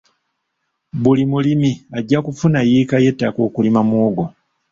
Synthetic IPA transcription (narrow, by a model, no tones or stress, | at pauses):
bulimulimiaɟːakufunajiːkaje̞tːako̞ːkulimamuːɡo